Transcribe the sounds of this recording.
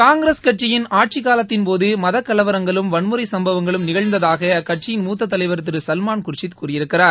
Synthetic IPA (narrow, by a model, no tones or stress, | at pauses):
kaːŋɡɪɾeːskɐʈ̚t͡ʃɪjɪnaːʈ̚t͡ʃikaːlɐt̪ːɪnpoːðɯmɐðɐkːɐɭɐʋɐɾɐŋɡɐɭɯmʋɐɳmɯɾɐɪsɐmbɐʋɐŋɡɐɭɯmnɪɣɐɻnd̪ɐðaːɣɐkɐʈ̚t͡ʃɪjɪnmuːt̪̬ːɐt̪ːɐlɐɪʋɐɾɯt̪ːɯɾɯsɐlmaːnkʊɾt͡ʃːɪt̪kuːrɪjɪɾɯkːɪraːɾ